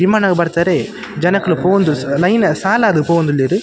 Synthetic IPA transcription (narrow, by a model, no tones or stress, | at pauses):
ɪmaːnɐɡɐbɐɾt̪ːɐɾeː | d͡ʒɐnɐkːɯlɯpoːɣɐnd̪ɯllɐjnɐsaːlaːðɯpoːɣɐnd̪ɯlːiːɾɯ